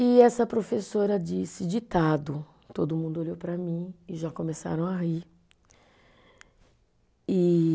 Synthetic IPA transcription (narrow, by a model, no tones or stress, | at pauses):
ɪɛsɐpɾofesoɾɐd͡ʒisɪd͡ʒit̪ad̪ʊ | t̪od̪ʊmũnd̪ʊoʎowpɾɐmĩɪʒakõmesa̰ɾɐ̃w̃aɦi | ɪ